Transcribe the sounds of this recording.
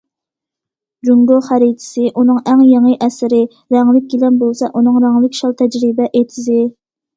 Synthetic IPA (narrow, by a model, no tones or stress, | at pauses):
d͡ʒuŋɡoχæɾit̪ʰɪ̥sɨʔunɨŋæŋjeŋəʔɛsɪɾɪ | ɾɛŋlɪk̚ʲɡʲilɛnbolˠsɑʔunɨŋɾæŋlɪkʲʃɑlˠt̪ʰɛd͡ʒɾɪbɛʔet̪ʰɪzɪ